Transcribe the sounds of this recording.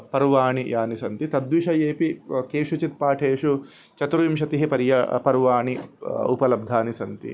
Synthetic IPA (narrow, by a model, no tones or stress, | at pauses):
pɐɾʋaːɳijaːnisɐnt̪it̪ɐd̪ʋiʃɐjeːpikeːʂut͡ʃit̪̚paːʈʰeːʂu | t͡ʃɐt̪ɾuimʃɐt̪iɦipɐɾjɐpɐɾʋaːɳiṵpɐlɐb̚d̪ʱaːnisɐnt̪ḭ